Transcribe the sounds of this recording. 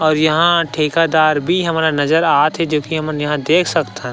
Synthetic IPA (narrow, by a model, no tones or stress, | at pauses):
ɔːɾjɐɦãʈʰeːkad̪aːɾbʱiɦɐmaːɾanɐzəɾaːt̪ɦɛd͡ʒoːkiɦɐmjɐɦãd̪eːkʰsɐkt̪ɦɛ̃